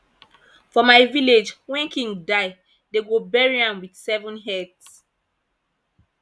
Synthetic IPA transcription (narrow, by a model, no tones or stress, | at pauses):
fɔmaɪviled͡ʒwɛ̃nkĩŋɡdaɪ | deɡobɛɹiãmwidsɛvɔ̃nɦɛts